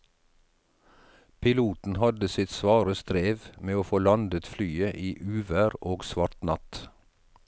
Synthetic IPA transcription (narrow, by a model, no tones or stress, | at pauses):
pʰɪluːt̪n̩hɑd̪əsɪt̪sʋɑːɾəst̪ɾeːʋmeːoːfoːlɑnd̪ət̪flyːəʔiːʔʉːʋæːɾoːɡsʋɑɾt̪nɑt̪